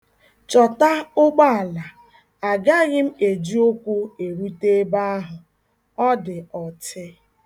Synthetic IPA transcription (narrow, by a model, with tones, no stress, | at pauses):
t͡ʃɔ˨ta˦ʊ˦ɡ͡ba˦a˨la˨ | a˨ɡa˦ɣɪ˦m̩˦e˨d͡ʒi˦o˦kʷu˦e˨ɾu˦te˦ba˦a˦ɦʊ˨ | ɔ˦dɪ˨ɔ˨tɪ˦